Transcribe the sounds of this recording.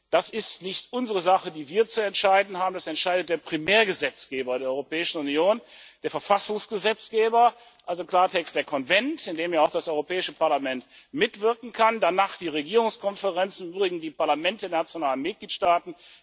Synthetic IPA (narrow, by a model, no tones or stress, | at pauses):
d̥asɪstnɪçtʔʊnzəʁəzaχədiːviːɐt͡suɛntʃaɪdn̩haːbm̩dasɛntʃaɪdət̚d̥eːɐpʁ̥imɛːɐɡəzɛt͡sɡ̥eːbɐdeːɐɔʏʁopɛːɪʃn̩unjoːnd̥eːɐfɛɐfasʊŋsɡ̥əzɛt͡sɡ̥eːbɐ | ʔalzokl̥aːɐtʰɛkstd̥eːɐkʰɔnvɛntɪndeːmjaaʊxd̥asʔɔʏʁopʰɛːɪʃəpʰaɐlamɛnt | mɪtv̥ɪɐkŋ̩kʰandanaːχd̥iːʁeɡiːʁʊŋskʰɔnfəʁɛnt͡sɪmʔyːbʁɪɡŋ̩diːpaɐlamɛntddeːɐnat͡sjonaːlənmɪt̚ɡ̥liːtʃtaːtn̩